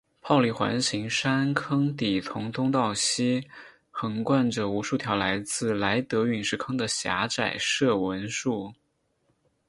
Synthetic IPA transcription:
pʰɑ˥˧ʊli˥˩xwa̰˧˥nɕi˧˥ŋʂa˥nkʰɤ˥ŋt̪i˨˩t͡s̪ʰʊ˧˥ŋt̪ʰʊ˥ŋt̪̬ɑ˥˩ʊɕi˥ | xɤ˧˩ŋkwa˥˩nʈ͡ʂə˩u˧˥ʂu˥˩t̪ʰjɑ˧˥ʊla˧˥ɪt͡sɹ̩˥˩la˧˥ɪt̪ɤ˧˥y˨˩nʂɻ̩˥˩kʰɤ˥ŋd̪ə˨ɕja̰˧˥ʈ͡ʂa˨˩ɪʂɤ˥˩wə˧˥nʂu˥˩

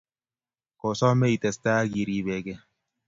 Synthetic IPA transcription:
ko˨sɔ˦me˦i˨t̪ɛ˨st̪a˦ɡi˨ɾi˨be˨ɡɛ˦

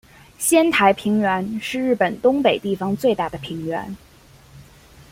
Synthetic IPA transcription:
ɕjɛ˥nt̪ʰa˧˥ɪpʰi˧˥ŋɥɛ˧˥nʂɻ̩˥˧ɻɻ̩˥˩pə˨˩nt̪ʊ˥ŋpe˨˩ɪt̪i˥˩fɑ˧˥ŋt͡swe˥˧ɪt̪a˥˩d̪ə˩pʰi˧˥ŋɥɛ̰˧˥n

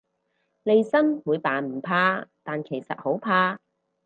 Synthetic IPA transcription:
le˨˧jsɐ˥nwuː˨˧jpaː˨˩nm̩˨˩pʰaː˧t̪aː˨nkʰe˨˩jsɐ̰˨t̚ho˨˥wpʰaː˧

